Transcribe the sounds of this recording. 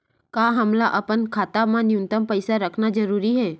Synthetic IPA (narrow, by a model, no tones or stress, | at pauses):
kaːɦəmlaʔɐpənkʰaːt̪amãnɪjʊ̃nt̪əmpəɪsaɾəkʰnad͡ʒəɾuːɾiɦɛː